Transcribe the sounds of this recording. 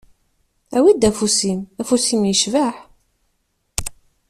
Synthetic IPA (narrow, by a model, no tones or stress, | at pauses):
æwid̪æfusimæfusimjəʃvæħ